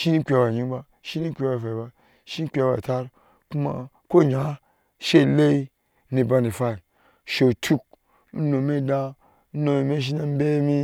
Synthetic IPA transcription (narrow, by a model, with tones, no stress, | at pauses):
ʃi˦ni˦k͡pʲba˨ɲi˦ba˧ | ʃi˦ni˦kʲe˧ba˨fa˨ba˧ | ʃi˦k͡pʲa˧˦ba̰˨ta˦ɾ | ku˦ma̰˧ | ko˦˨ɲa˨˦ | ʃe˦˨le˦i˦ | ni˨ba˧ni˨fa˦i˨ | ʃe˨tʰu˦k̚ | n̩˦no˨me˦da˦ | n˦no˨mi˨me˦ʃ̬i˦na˦m̩˦be˦mi˦